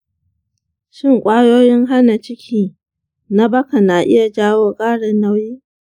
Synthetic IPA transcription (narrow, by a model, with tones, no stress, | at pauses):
ʃɪ˦˨ŋkʷʼaː˦joː˦jɪ˦ŋɦa˦na˨t͡ʃɪ˦kʲʰiː˦ | na˦bɐ˦ka˨na˨ʔɪ̰˦ja˨d͡ʒaː˦woː˦kʼaː˦ɽɪ˨nːa˦wjiː˦